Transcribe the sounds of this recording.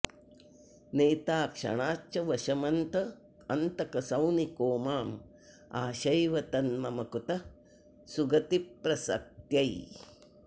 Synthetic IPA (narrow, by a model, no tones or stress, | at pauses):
neːt̪aːkʂɐ̰ɳaːt͡ʃɐʋɐʃɐmɐnt̪ɐ | ɐnt̪ɐkɐsɐwnikoːmaːm | aːʃɐjʋɐt̪ɐnmɐmɐkut̪ɐ | suɡɐt̪ipɾɐsɐ̰k̚t̪jɐj